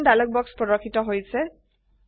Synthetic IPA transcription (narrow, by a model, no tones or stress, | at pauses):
ndalɔk̚bɔkspɹɔɾɔkʰːitɔɦojsʰe